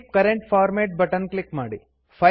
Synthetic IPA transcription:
p̚kɐɾeɳʈpʰaːɾmeːʈ̚bɐʈɐnklikmaːɽi | pʰɐ

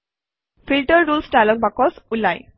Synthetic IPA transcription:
fʰilʈəɹːulsʈajlɔk̚bakɔsulaj

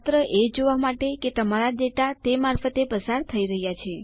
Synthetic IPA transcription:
t̪ɾəʔed͡ʒoʋamaʈeket̪əmaɾaɖ̪eʈ̪at̪emaɾfət̪epəsaɾt̪ʰəiɾəɦjat͡ʃʰe

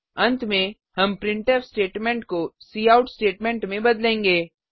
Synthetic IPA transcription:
ɐ̃nt̪mẽ | hɐmpɾɪ̃ɳʈɛpsʈeːʈmẽːɳʈkosiːaːʊʈsʈeːʈmẽːɳʈmẽbɐd̪lẽːŋɡeː

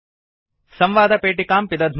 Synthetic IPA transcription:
sɐmʋaːd̪ɐpeːʈikaːmpid̪ɐd̪ʱ

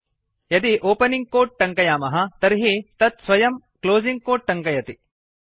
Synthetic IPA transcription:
jɐt̪iʔoːpɐniŋɡ̚koːʈ̚ʈɐŋkɐjaːmɐɦɐt̪ɐɾɦit̪ɐt̪sʋɐjɐm | kloːziŋɡ̚koːʈ̚ʈɐŋkɐjɐt̪i

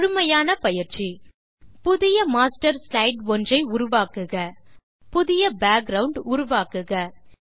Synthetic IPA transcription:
ɾʊmɐjaːnɐpɐjɪɾt͡ʃi | pʊðɪjɐmaːsʈɐɾslɐɪɖʋɔndrɐɪʊɾʊʋaːkɯɣɐ | pʊðɪjɐbaːk̚ɡɾɐʋʊɳɖʊɾʊʋaːkɯɣɐ

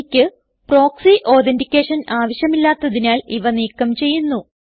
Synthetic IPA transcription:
kʲːɨ | pro̞ːksiʔo̞ːɾendikʲːe̞ːʂɐnaːʋɐɕjɐmilːaːt̪ːɐðinaːliʋɐniːkːɐmt͡ɕe̞jːunːu

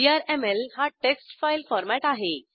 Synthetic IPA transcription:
iaɾemelhaʈeksʈfailfɔɾmæʈaɦe

